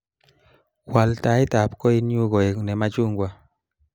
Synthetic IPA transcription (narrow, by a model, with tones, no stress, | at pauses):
kwa˨lta˨˦i˦ta˨p̚kɔ˦i˦nju˦ɡɔ˨e˨nɛ˨ma˦t͡ʃu˦ŋɡwa˨